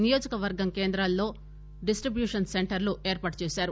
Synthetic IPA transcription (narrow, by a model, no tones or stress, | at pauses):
nijoːd͡ʒɐkɐʋɐɾɡɐmkeːnd̪ɾɐlːo̞ː | ɖisʈɾibjuːʂɐnseɳʈɐɾluʔeːɾpaːʈt͡ʃeːsaːɾu